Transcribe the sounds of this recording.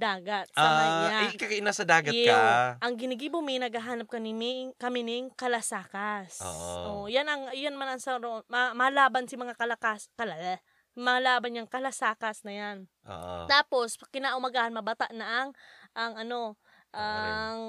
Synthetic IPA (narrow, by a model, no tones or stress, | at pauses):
d̪aːɡat̪̚anaɲaakakɪnasɐd̪aːɡɐkaʔɐŋɡɪnɪɡiːbʊmɪnɐɡɐɦaːnɐp̚kɐniːmɪkɐmɪnɪŋkɐlɐsaːkasʔʔoʔjanɐŋjonɐmanɐŋsɐɾoʔonmɐmɐhɐlaːbɐnsɪmɐŋakɐlɐkaskɐla | mɐɐlaːbɐnɲɐŋkɐlɐsaːkɐsnɐjanʔo̰ːʔt̪aːpo̞skɪnaːʔʊmɐɡaːhɐnmɐbɐt̪aʔnɐʔɐŋʔɐŋʔɐno̞ | ʔaŋ